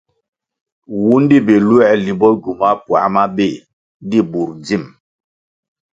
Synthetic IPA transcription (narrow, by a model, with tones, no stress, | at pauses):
wu˦n˦di˦be˨lu˦ɛ˨li˨bɔ˦ɡu˨ma˦pwa̰˨ma˦be˦˨˦ | di˦bu˨ɾd͡zi˦˨m